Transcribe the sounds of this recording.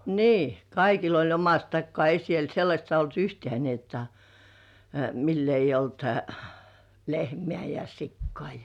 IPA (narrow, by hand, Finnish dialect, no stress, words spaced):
niː kɑikil olʲ omɑst tɑkːŏɑˑ ei siel selːɑsʲt olt yhtĕæˑ ni jotːɑ milː eijˑ olt lehmĕæˑ jɑ sikːŏɑˑ